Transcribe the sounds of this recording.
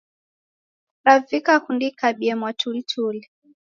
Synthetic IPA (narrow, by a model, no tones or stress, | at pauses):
ɾavikakundikaɓiɛmwatʰulitʰuli